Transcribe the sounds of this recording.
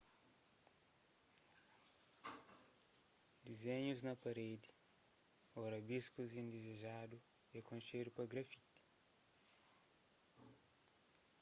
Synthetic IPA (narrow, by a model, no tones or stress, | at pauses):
d̪izeɲuznɐpɐɾed̪i | ɔɾɐbiskuzĩnd̪izeʒad̪u | ekõnʃedupɐɡɾɐfit̪i̥